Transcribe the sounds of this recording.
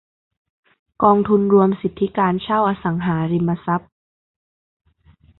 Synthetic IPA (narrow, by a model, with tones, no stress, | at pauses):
kɔː˧ŋt̪ʰu˧nɾu˧əmsi˨˩t̪ʰːi˦˥kaː˧nt͡ɕʰa˥˩wʔaː˧sa˩˦ŋɦaː˩˦ɾi˧mːa˧sa˦˥p̚